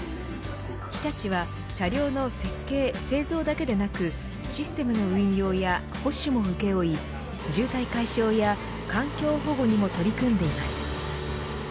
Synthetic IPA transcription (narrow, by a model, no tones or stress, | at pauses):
çʲi̥t̪at͡ɕiβ̞a | ɕaɾʲo̞ːno̞se̞kːe̞ːse̞ːzo̞ːd̪ake̞d̪e̞nakɯ̟ | ɕisɨ̥t̪e̞mɯ̟no̞ɯ̟ĩɲjo̞ːja | ho̞ɕɨmo̞ɸɯ̟ke̞oi | d͡ʑɨːt̪aikaiɕo̞ːja | kãŋkʲo̞ːɦo̞ːɡo̞ɲ̟imo̞t̪o̞ɾʲikɯ̟̃nd̪e̞imasɨ̥